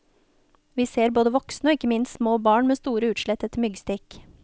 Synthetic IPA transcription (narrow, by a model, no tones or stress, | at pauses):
ʋiːseːɾboːd̪əʋɔksnəɔːɪkːəmɪnssmoːbɑːɳmeːst̪uːɾəʉːt̪ʃɭɛt̪ɛt̪mʏɡst̪ɪk